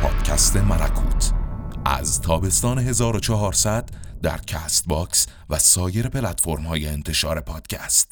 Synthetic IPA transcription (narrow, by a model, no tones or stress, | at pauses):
pʰɒ̰ːd̪̥cʰæst̪e̞mælækʰuːt̪ʰʔæ̰zt̪ʰɒːbe̞st̪ɒːneɦe̞zɒːɾot͡ʃʰɒɦɒːɾsæd̪̥ːæ̰ɾcʰæst̪bɒks | væsɒːjeɾepʰelæt̪fo̞ɾmhɒːjeːnt̪ʰe̞ʃɒːɾe̞pʰɒːd̪̥cʰæst̪